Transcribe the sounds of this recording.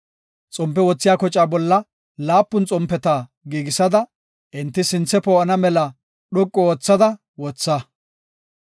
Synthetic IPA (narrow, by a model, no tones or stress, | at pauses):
t͡sʼɔmpːɛwɔt͡sːɪjaːkɔt͡ʃʼaːbɔlːɐ | laːpːʊnt͡sʼɔmpːɛt̪aː | ɡiːɡɪsɐd̪ɐ | ʔɪnt̪ːɪsɪnt͡sːɛpoːʔɐnɐmɛlɐ | ɗɔkʼːɔoːt͡sːɐd̪ɐ | wɔt͡sːɐ